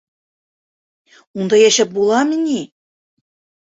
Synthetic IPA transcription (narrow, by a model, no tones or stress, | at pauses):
und̪ɑjæɕɑp̚bulˠɑmĭnʲi